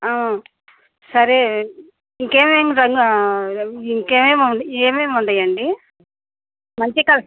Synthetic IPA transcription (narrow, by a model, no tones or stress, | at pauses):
a | sɐɾe | iŋkeːmeːŋɾɐŋɡ | iŋkeːmeːmuɳeːmeːmuɳɖ̪ɐjɐɳɖi | mɐɲt͡ʃikɐl